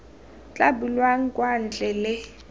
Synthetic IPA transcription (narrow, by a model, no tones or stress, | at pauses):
t͡ɬʼabulwaŋ̩kʼwan̩t͡ɬʼɛlɪ